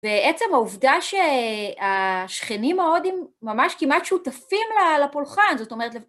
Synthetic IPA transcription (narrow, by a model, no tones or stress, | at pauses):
veet͡semauvdaʃeaʃχenimeo̞dimːamaʃkimʔat̪ʃutafimlalapulχanzo̞t̪o̞meet̪le